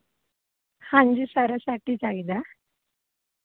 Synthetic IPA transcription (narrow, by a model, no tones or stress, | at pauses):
hãɲd͡ʑiːsəɾasaʈiːd͡zaid̪a